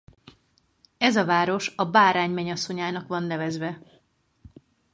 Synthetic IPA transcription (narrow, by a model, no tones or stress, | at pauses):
ɛzɒvaːɾo̞ʃɒbaːɾaːɲmɛɲɒso̞ɲaːnɒkʋɒnːɛvɛzʋɛ